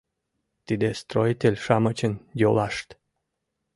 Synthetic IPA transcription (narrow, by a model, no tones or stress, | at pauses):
t̪id̪est̪ɾojt̪elʲʃɑmət͡ɕənjolɑʃt̪